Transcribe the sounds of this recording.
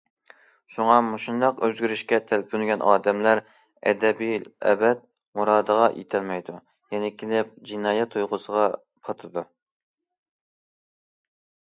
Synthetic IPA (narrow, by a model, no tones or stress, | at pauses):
ʃuŋɑmuʃund̪ɑqøzɡʲyɾyʃkʲɛt̪ʰælpʰynɡʲɛnʔɑːd̪ɛmlæɾ | ɛ̰d̪ɛbiɛ̰bɛt̪̚ | muɾɑːd̪əʁɑjʔḛt̪ʰɛlmɛjd̪u | jɛnɪkʲʰelɪp̚d͡ʒinɑːjɛt̪ʰːujʁʊsəʁɑ | pʰɑt̪ʰɨd̪u